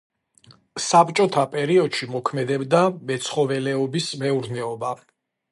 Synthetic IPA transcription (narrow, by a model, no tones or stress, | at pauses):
sapt͡ʃʼɔt̪ʰapʼɛɾiɔd̪ʃimɔkʰmɛd̪ɛbd̪amɛt̪sʰχɔvɛlɛɔbismɛuɾnɛɔba